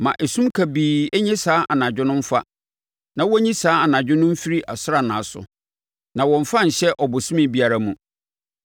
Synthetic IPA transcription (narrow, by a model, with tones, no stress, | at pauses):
mã˨ʔɛ˨sũ˦mkʰa˨biː˨ɛ˦ɲɛ̃˦saː˨˦ʔa˨nã˨d͡ʑᶣɪ˦nʊ̃˦m̩˦fa̰˦ | nã˦wɔ˦ɲĩ˦saː˦a˨nã˨d͡ʑᶣɪ˦nʊ̃˦m̩˦fi˦ɾi˦ʔa˨sʊ˦ɾa˨nã̰ː˨sʊ̰˨ | nã˨wɔ̃˨ɱ̩˨fã˦ɲ̩˨ɕɛ˦ʔɔ˨bʊ˨sĩ˦mɪ̃˦bi˦a˨ɾa˦mũ˨